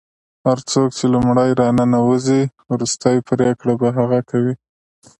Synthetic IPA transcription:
haɾt͡sok̚t͡ʃelumɽajɾɑnanawəzi | wɾust̪ajpɾekɽabaɦaɣakawi

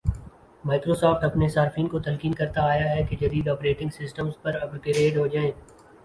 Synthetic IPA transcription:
maːkɾoːsɔːfʈɐpnesaːɾɪfiːnkot̪ɐlkiːnkɐɾt̪aːjaɦɛked͡ʒɐd̪iːd̪ɔːpɾeːʈɪ̃ŋɡsɪsʈəmzpɐɾɐpɾkeɾeːɖɦod͡ʒaːẽː

